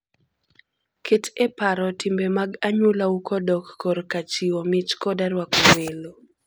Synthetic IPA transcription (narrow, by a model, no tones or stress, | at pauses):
kʰɪtepaɾɔtɪmbemaɡaɲulaukɔdɔkːɔɾkat͡ʃiwɔmɪt͡ʃkɔdaɾwakowelo